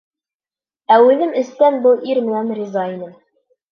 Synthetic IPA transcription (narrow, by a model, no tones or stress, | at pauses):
æwɘ̆ðɘmɵ̆st̪ænbɤlˠʔiɾmɘ̆nænrizɑinɘm